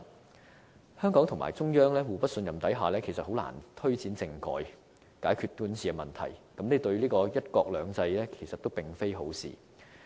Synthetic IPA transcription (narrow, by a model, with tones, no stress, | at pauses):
hœː˥ŋkɔː˨˥ŋt̪ʰʊ˨˩ŋma̰ː˨˩jt͡sʊ˥ŋjœː˥ŋlɛː˥wuː˨˩pɐ˥t̚sɵ˧njɐ˨˩mt̪ɐ˨˥jɦaː˨˩lɛː˥kʰe˨˩jsɐ˨t̚ho˨˥wla̰ː˨˩nt̪ʰɵ˥ɥt͡siː˨˥nt͡sɪ˧ŋkɔ̰ː˨˧j | kaː˨˥jkʰyː˧t̚t̪uː˨˥nsiː˨ɛ˧mɐ˨˩nt̪ʰɐ̰˨˩jkɐ˨˥mnɛː˨˥t̪ɵ˧ɥliː˥kɔː˧jɐ˥t̚kɔː˧k̚lœː˨˧ŋt͡sɐ˧jlɛː˥kʰe˨˩jsɐ˨t̪o˥wpɪ˨˩ŋfe˥jɦo˨˥wsḭː˨